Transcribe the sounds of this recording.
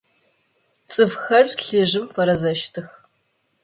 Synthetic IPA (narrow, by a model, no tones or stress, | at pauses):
t͡sʼɨfxɐrɬɨʑɪmfɐɾɐzɐʃtʰɨx